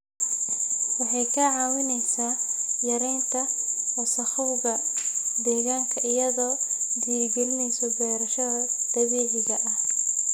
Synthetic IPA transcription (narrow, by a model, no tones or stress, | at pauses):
wɑħɑjkʰɐʕɑːwɪnɛjsaːjɐɾɛjnt̪ʰɐwɛsɐxʊwɣɐd̪ɛːɣaːŋkʰɐʔɪjɐðɔːd̪irɡɛlɪnɛjsɔdɛːɾɐʃɐɐd̪̥ɐβɛːʕɪɣɐʔɐh